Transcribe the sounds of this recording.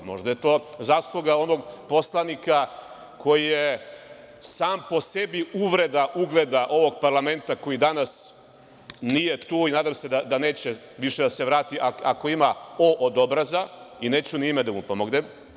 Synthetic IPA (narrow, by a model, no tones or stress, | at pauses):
mo̞̰ʒd̪aje̞t̪o̞ːzaːslˠuɡao̞no̞ɡpo̞slˠanika | kʰo̞jije | saːmpo̞se̞biuʋɾe̞d̪aʔuɡled̪aʔo̞ʋo̞ɡ̚paɾlˠame̞nt̪ako̞jid̪anas | nije̞t̪uːinaːd̪amse̞d̪ad̪ane̞ːt͡ɕe | ʋiʃed̪ase̞ʋɾaːt̪iʔaako̞imaoʔod̪o̞bɾazaine̞ːt͡ɕunimed̪amupo̞moɡnem